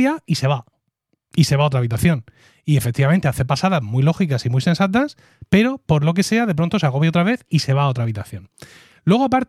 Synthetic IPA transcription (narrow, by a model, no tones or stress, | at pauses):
jaise̞βa | ise̞βao̞t̪ɾaβit̪aθjo̞n | ie̞fek̚t̪iβament̪eaθe̞pasaðazmwuijlo̞xikasimise̞nsat̪̬as | pe̞ɾopo̞ɾlo̞k̬e̞se̞aðe̞p̬ɾo̞nt̪oseaɣo̞βjao̞t̪ɾaβe̞θise̞βaːo̞t̪ɾaβit̪aθjo̞n | lwe̞ɣ̞o̞ap̬aɾt̪